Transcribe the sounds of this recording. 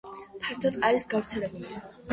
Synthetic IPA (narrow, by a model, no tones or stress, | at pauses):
pʰaɾt̪ʰɔt̪ʼqʼaɾisɡavɾt̪sʰɛlɛbuli